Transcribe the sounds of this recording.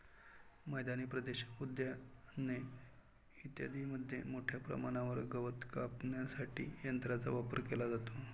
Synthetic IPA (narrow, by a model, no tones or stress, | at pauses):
məjd̪aniːpɾəd̪eɕə̥kud̪jane | it̪ja̰d̪iːməd̪ʱːjemoʈʰjapɾə̰maɽ̃aʋəɾɡəʋət̪kapnjasaʈḭːjənt̪ɾat͡sa̰ʋapəɾkelad͡zat̪o